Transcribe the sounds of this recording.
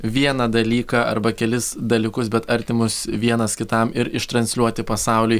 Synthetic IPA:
ʋʲiɛnɐd̪ɐlʲiːkɑːɐ̰ɾbɐkʲɛlʲɪsd̪ɐlʲɪkʊsbʲɛt̪ɐɾʲt̪ʲɪmʊsʋʲiɛnɐskʲɪt̪ɐmɪɾɪʃt̪ɾɐnʲsʲlʲuɔt̪ʲɪpɐsɑˑʊlʲʊj

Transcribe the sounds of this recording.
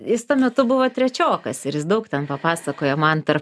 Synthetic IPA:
jɪst̪uɔmʲɛt̪ʊbʊʋɐt̪ʲɾʲɛt͡ʃʲoːkɐsɪɾjɪs̬d̪ɐʊkt̪ʲɛnpɐpɑːsɐkoːjoːmɐnt̪ɐrp

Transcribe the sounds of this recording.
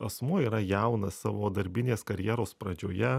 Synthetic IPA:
ɐsmuɔiːɾɐjɛʊnɐsɑːʋoːd̪ɐɾʲbʲɪnʲeːskɐɾʲjɛːɾoːspɾɐd͡ʒʲoːjɛ

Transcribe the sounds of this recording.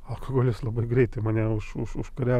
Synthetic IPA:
ɐlˠkɐɡoːlʲɪslˠɐbɐɪɡɾʲɛɪt̪ɐɪmɐnʲɛʊʃʊʃʊʃkɐɾʲæ

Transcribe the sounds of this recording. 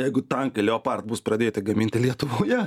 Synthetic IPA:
jɛɪɡʊt̪ɐŋkɐlʲoːpɐrt̪̚bʊspɾɐdʲeːt̪ʲɐɪɡɐmʲinʲt̪ʲɪlʲiɛt̪ʊʋoːjɛ

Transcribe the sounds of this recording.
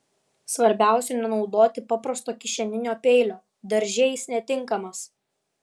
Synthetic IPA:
sʋɐɾʲbʲæˑʊsʲɛnʲɛnɒʊd̪oːt̪ʲɪpɑpɾɐst̪oːkʲɪʃʲɛnʲɪnʲoːpʲɛɪlʲoː | d̪ɐɾʲʒʲɛːjɪsnʲɛt̪ʲɪŋˑkɐmɐs

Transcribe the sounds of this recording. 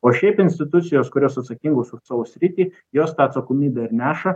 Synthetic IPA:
oːʃʲɛɪpɪnʲsʲt̪ʲɪt̪ʊt̪sʲɪjoːskʊɾʲoːsɐt̪sɐkʲɪŋɡoːsʊsɑʋosʲɾʲɪt̪ʲiː | joːst̪ɑːt̪sɐkoːmʲiːbʲɛɐɾʲnʲæːʃɐ

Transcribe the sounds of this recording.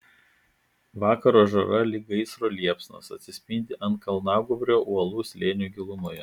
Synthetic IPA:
ʋɑːkɐɾoːʒɐɾɐlʲɪɡɐɪsɾoːlʲiɛpsʲnɐ̰sɐ̰t̪ʲsʲɪsʲpʲɪnʲd̪ʲɪʔɐnt̪̚kɐlˠnɑˑʊɡʊbʲɾʲoːʔuɔlˠuːsʲlʲeːnʲuːɡʲɪlˠʊnʊjɛ

